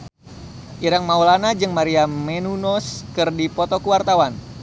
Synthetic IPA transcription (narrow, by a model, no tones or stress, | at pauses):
ʔiɾaŋmaulanad͡ʒɨŋmaɾiammenunɔskɨrdipɔt̪ɔkuwart̪awan